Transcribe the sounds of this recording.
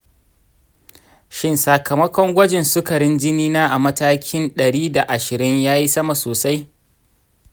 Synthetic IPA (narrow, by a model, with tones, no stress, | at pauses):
ʃɪ˦nsa˨kʰɐ˨mɐ˦kʷɔ˦ŋɡʷɐ˦d͡ʒɪ˨nsʊ˦kɐ˨ɽɪ˦nd͡ʒɪ˦niː˦naː˦ʔa˨mɐ˦taː˦kʲʰɪ˦nɗɐ˨ɽiː˦da˨ʔa˨ʃɪ˨ɾɪ˦ɲjaː˦ji˦sɐ˦ma˨soː˨sa˦j